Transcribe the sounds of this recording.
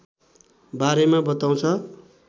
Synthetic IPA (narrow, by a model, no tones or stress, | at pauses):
baɾemabʌt̪aw̃t͡sʰʌ